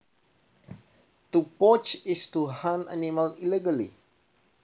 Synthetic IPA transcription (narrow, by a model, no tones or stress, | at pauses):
t̪upɔt͡ʃistuhãna̰niməliliɡəlḭ